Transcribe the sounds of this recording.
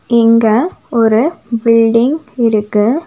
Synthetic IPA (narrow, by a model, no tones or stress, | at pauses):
ɪŋɡɐɔɾɯbɪɭɖɪŋɡɪɾɯkːɯ